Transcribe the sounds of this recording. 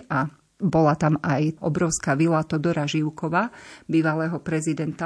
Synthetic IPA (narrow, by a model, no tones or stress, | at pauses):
a | bɔlat̪amʔajɔ̰bɾɔʊskaʋilat̪ɔd̪ɔɾaʒiʊkɔʋabiːʋalɛːɦɔpɾɛzid̪ɛnt̪a